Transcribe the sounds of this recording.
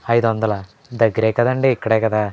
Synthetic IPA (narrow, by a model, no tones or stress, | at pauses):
ɐjd̪ɐnd̪ɐla | d̪ɐɡɾeːkɐd̪ɐɳɖiːkːɐɽekɐd̪a